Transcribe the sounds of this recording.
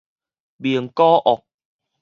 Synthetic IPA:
bi˨əŋkɔː˦ʔɔ˨˩k̚

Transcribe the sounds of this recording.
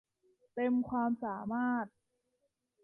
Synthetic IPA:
t̪e˧mkʰwaː˧msaː˩˦maː˥˩t̪̚

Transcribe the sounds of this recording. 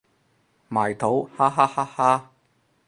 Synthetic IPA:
maː˨˩jt̪ʰo˨˥whaː˥ɦaː˥haː˥haː˥

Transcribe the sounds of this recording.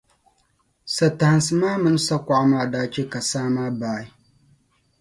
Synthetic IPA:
sa˨ta˨ha˨nsɨ˨maː˦mɨ˦n˦sa˦kʷa˦˨ʔa˦maː˦˨daː˦t͡ʃe˦ka˨saː˦maː˦baː˦˨i˦

